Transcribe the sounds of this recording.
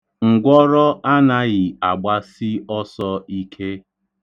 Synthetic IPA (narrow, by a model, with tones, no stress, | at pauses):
ŋ̩˨ɡʷɔ˦ɾɔ˦ʔa˦na˦ɣɪ˨a˨ɡ͡ba˦sɪ˦ɔ˦sɔ˦i˦kʰe˦